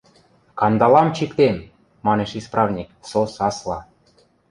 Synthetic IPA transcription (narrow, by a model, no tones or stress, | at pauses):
kɑnd̪ɑlɑmt͡ɕikt̪em | mɑneʃisprɑvnʲiksosɑslɑ